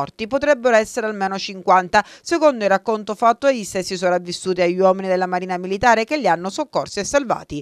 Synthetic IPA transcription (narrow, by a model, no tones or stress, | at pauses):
ɔrt̪ipot̪ɾɛbːeɾoɛsːeɾealmeːnot͡ʃiŋkwant̪asekond̪oilrakːont̪ofat̪ːoejisesːis̬oɾavːisːuːt̪iaʎːwɔːminid̪elːamaɾiːnamilit̪aːɾekeʎːianːosokːorsiesːalva̰ːt̪i